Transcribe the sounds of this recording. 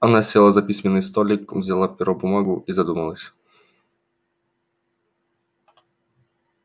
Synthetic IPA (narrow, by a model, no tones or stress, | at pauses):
ɐnasʲelˠazɐpʲisʲmʲɪnːɨjst̪olʲikvzʲalˠapʲɪɾobʊmaɡʊʔizɐd̪uməlˠəsʲ